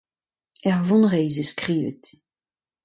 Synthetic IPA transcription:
ɛʁvɔ̃nʁɛjzeskχiːvḛt̪

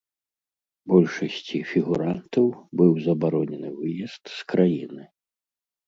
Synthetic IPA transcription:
bɔlʲʂɐsʲt͡sʲifʲiɣuɾant̪ɐwbɨwzɐbaɾɔnʲɛnɨvɨjɛst̪skɾajinɨ

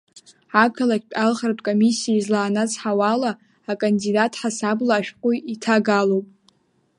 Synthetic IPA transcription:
akʰalakʲpʲʼalχrtʼkʼo̞misːiaizlaːnat͡sʰʼħawalaː | kʼandidatʰħasablaːʃᶣqʷʼujitʰaɡalowpʼ

